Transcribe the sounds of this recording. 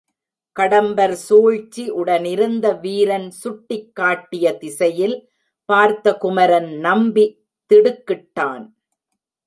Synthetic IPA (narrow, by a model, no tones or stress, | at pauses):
kɐɽɐmbɐɾsoːɻt͡ʃːiʔʊɽɐnɪɾɯnd̪ɐʋiːɾɐnsʊʈːɪkːaːʈːɪjɐt̪ɪsɐjɪl | paːɾt̪ɐkʊmɐɾɐnnɐmbi | t̪ɪɽɯkːɪʈːaːn